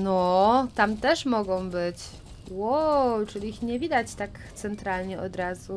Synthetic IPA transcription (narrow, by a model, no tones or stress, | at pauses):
nɔt̪amt̪ɛʂmɔɡɔ̃w̃bɘt͡ɕ | wɔt͡ʂɘlʲixɲɛvʲid̪at͡ɕt̪akt̪sɛnt̪ɾalɲɛɔd̪ɾazu